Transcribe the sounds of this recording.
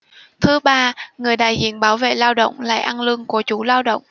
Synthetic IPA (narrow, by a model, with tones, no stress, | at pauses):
t̪ʰɨ˨˦ɓaː˧ŋɨ˨˩əjɗa̰ː˨˩jzḭ˧˨ənɓaː˨˦wvḛ˧˨laː˧wɗə̰˧˨wŋ͡mla̰ː˧˨jʔa˧nlɨ˧əŋku˧˩ət͡ɕu˧˩˦laː˧wɗə̰˧˨wŋ͡mʔ